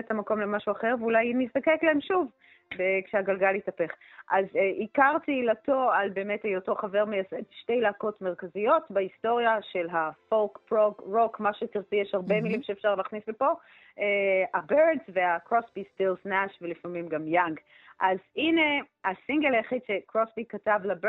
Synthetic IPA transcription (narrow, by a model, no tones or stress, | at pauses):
etamako̞mlemaʃuaχeʁveulajmist̪akeklaemʃuv | bekʃeaɡalɡalitape̞χʔazʔikaʁtiːlato̞albe̞ːmetejotoχave̞ʁmejasedʃte̞jlaːkotmeʁkazijo̞tbaisto̞ʁijaʃe̞lɦafolkpʁokʁokmaʃetiʁt͡sijeʃhaʁbe̞milimʃeːfʃaʁlaχnislepo̞ | ʔeabeʁdzveakʁosbistilsnaʃvelifamimɡamjaŋɡ | ʔazine̞asiŋɡelajaχidʃe̞kʁosbikatavlab